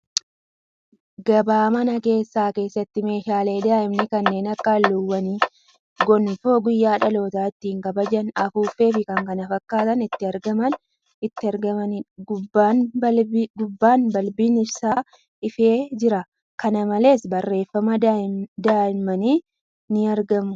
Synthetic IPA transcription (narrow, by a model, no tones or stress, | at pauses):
ɡɐbaːmɐnɐke̞ːsːaːke̞ːsːɐt̪ːɪme̞ːʃaːle̞ːd̪aːʔɪmnɪkɐnːe̞ːnɐkːaːlːʊwːɐniː | ɡɔnɪfoːɡʊjːaːᶑɐlo̞ːt̪aːɪt̪ːiɪŋkɐbɐd͡ʒɐnɐfuːfe̞ːfɪkɐŋkɐnɐfɐkːaːt̪ɐnɪt̪ːɪɐɾɡɐmɐn | ɪt̪ːɪɐɾɡɐɐnban | ɡʊbːaːnbɐlbiːnɪɾsaː | ɪfe̞ːd͡ʒɪɾɐ | kɐnɐmɐle̞ːsbɐrːe̞ːfːɐmɐd̪aːɪmɐniː | nɪɐɾɡɐmʊ